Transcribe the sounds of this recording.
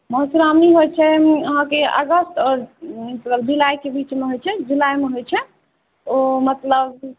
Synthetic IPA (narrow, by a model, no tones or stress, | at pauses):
məɦsuɾamniɦojt͡ʃʰɛəɦãkeə̰ɡəsʈɔːɾt̪ləld͡ʒulajkebit͡ʃmeɦojt͡ʃʰɛd͡ʒulajmeɦojt͡ʃʰɛ | omət̪ləb̚